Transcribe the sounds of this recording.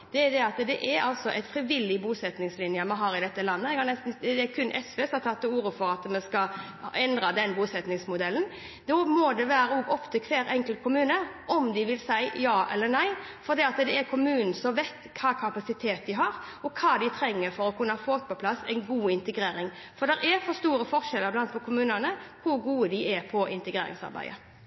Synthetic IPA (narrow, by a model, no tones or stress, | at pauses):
d̪ɛæd̪ɛɑt̪d̪ɛʔæɾɑlsɔʔɛt̪fɾɪʋɪlːɪbuːsɛt̪nɪŋslɪnjəmɑnɦɑɾɪd̪ɛt̪ːəlɑnːəɛɡhɑɾnɛst̪n̩d̪ɛɛɾkʰʉnːʔɛsʋɛːsɑt̪ʰːɑt̪ːuːɾəfɔɾɑt̪mɛnskɑ | ɛnd̪ɾɑd̪ɛnbuːsɛt̪nɪŋsmʊd̪ɛln̩ | d̪ɔmod̪ɛʋæːɾəoɡɔpt̪ʰəkʰʋeːɾɛŋkəlt̪̚kʰʊmʉːnəʔɔmd̪ɪʋɪlsæɪjɑːʔɛ̰lːənæɪ | fɔɾd̪iːɑt̪d̪ɛːɾkʰʊmʉːnn̩sɔmʋɛɪt̪kʰɑːkʰɑpɑsɪt̪ʰeːt̪̚d̪ɪɦɑɾ | ɔkʰɑːd̪ɪt̪ʰɾɛŋːəɾfɔɾɔkʰʉnːəhɑfoːt̪̚pɔpʰlɑsːɛ̰ɪnɡuːɪnt̪əɡɾeːɾɪŋ | fɔd̪ɛɾʔæɾfɔst̪uːɾəfɔɾʃɛlːəblɑnt̪̚pʰɔkʰʊmʉːnənəhʊɡuːəd̪ɪʔɛɾpʰɔʔɪnt̪əɡɾeːɾɪ̰ŋsɑ̰ɾbæ̰ɪə̰